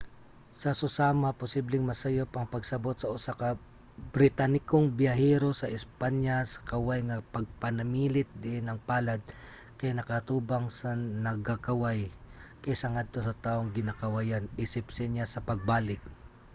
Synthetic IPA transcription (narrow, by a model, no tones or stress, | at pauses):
sɐsʊsaːmapʊsiblɪŋmɐsɐjopʔɐŋpɐɡsɐbo̞t̪̚sɐʔʊsaka | bɾɪt̪anɪkoŋbɪjɐɦɛɾo̞sɐʔɪspaɲjasɐ̥kɐwajŋɐpɐɡ̚pɐnɐmiːlɪt̪̚d̪ɪʔɪnɐŋpaːlad̪̚ | kɐjanɐkɐt̪uːbaŋsɐnɐɡakɐwajkɐjsɐŋad̪̚t̪o̞sɐt̪aːʔoŋɡɪnakɐwajanʔiːsɪpsɪnasɐpɐɡ̚baːlɪk̚